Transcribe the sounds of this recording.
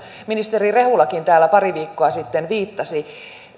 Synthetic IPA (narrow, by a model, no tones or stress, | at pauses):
minist̪erire̞hulːɑkint̪æːlːæpɑriʋiːkːoɑsit̪ːenʋiːt̪ːɑsi